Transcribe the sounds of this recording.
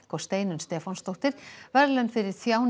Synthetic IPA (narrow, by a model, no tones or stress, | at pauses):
kɔst̪eːjnʏnst̪ɛːfɔnst̪ɔht̪ɪɾ̥vɛɾlɛnfɪɾɪɾθjaːwn